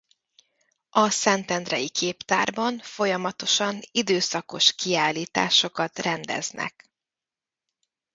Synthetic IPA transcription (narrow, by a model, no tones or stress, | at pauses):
ɒsɛnt̪ɛnd̪rɛjikʰeːpt̪a̰ːrbɒɱfo̞jɒmɒt̪o̞ʃɒnid̪øːsɒko̞ʃkiaːlːiːt̪a̰ːʃo̞kɒt̪rɛnd̪ɛ̰znɛ̰k